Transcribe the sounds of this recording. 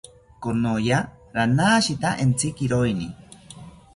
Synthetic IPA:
konojaɾanaːʃit̪aʔent͡sikiɾojni

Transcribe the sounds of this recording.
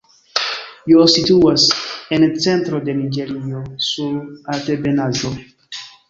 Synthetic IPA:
josituasent͡sentɾodenid͡ʒeɾiosuɾatebenazo

